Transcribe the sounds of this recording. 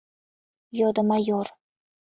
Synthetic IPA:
jod̪əmajoɾ

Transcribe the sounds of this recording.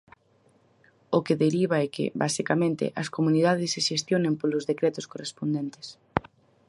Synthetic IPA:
okeðeɾiβ̞aɛkɪ̰βasikamẽnt̪ɪ̰ʔɐskomũnið̞að̞esːeʃest̪jonẽmpolozðekɾɛt̪oskorespond̪ent̪e̥s

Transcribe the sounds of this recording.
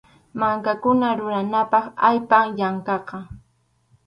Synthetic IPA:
maŋkakʊnaɾʊɾanapɑχajpaŋjaŋkɑqɑ

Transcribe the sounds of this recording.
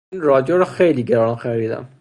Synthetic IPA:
nrɒːd͡ʒoɾɔxejliːɡeɾɒːnxæɾiːd̪æ̰m

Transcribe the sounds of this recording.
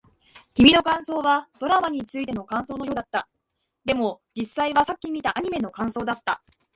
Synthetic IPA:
kʲimʲino̞kãɰ̃so̞ːβad̪̥o̞ɾamaɲ̟it͡sɨit̪e̞no̞kãɰ̃so̞ːno̞jo̞ːd̪at̪ːa | d̪e̞mo̞d͡ʑisːaiβasakʲːimʲit̪aʔaɲ̟ime̞no̞kãɰ̃so̞ːd̪at̪ːa

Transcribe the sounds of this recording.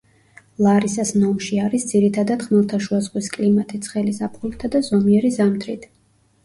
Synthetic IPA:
lˠaɾisasnɔmʃiaɾisd̪ziɾit̪ʰad̪at̪χmɛlˠt̪ʰaʃuazʁwiskʼlimat̪ʰit̪sʰχɛlizapʰχult̪ʰad̪azɔmiɛɾizamt̪ʰɾit̪ʰ

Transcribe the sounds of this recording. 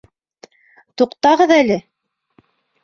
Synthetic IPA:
t̪uqt̪ɑʁɤðælɘ

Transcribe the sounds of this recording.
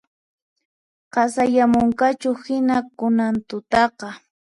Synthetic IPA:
qɑsajamʊŋkat͡ʃʊhɪnakʊnant̪ʊt̪ɑqɑ

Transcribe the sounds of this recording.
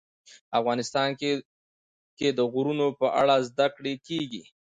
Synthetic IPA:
afɣɑnɪst̪ɑn | ked̪əɣʊɾunopəʔa̰ɽazd̪akɽekeɡi

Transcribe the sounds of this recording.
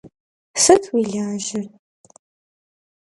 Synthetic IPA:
sɨtʰwiɮʲaːʒɪrʼ

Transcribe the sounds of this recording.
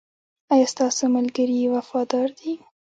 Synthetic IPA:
ɑjɑst̪ɑsomalɡəɾiwafɑd̪ɑɾd̪i

